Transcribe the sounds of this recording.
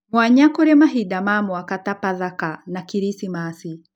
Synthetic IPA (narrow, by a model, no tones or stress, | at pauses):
mwaɲakɔɾɛmaɦidamamwakatapaðakanakiɾisimasi